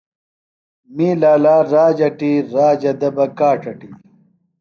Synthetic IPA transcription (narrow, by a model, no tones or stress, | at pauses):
miːlaːlaːɾaːd͡ʑɐʈiːɾaːd͡ʑɐd̪ɐbɐkaːʈɐʈi